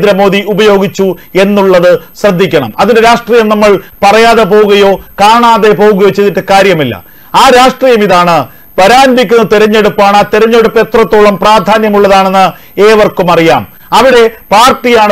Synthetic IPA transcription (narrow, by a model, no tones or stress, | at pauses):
d̪ɾɐmo̞ːðiubɐjo̞ːɡit͡ɕːue̞nːuɭːɐðɨɕrɐd̪ʱːikʲːɐɳɐ̰mɐðindeɾaːʂʈriːjɐmnɐmːɐɭpɐrɐjaːðep̬o̞ːɣuɣɐjo̞ːkaːɳaːðe̞po̞ːɣuɣɐjo̞ːt͡ɕeðiʈːɨkaːɾjɐmilːɐ̰ | aːɾaːʂʈriːjɐmiðaːɳɨ | pɐɾaːnbikʲːunːɐt̪eɾɐɲːe̞ɽupːaːɳat̪eɾɐɲːe̞ɽupːe̞t̪rɐt̪ːoːɭɐmpraːd̪ʱaːnjɐmuɭːɐðaːɳe̞nːɨ | eːʋɐrkumɐrija̰ːm | ɐʋiɽe̞paːrʈːijaːɳ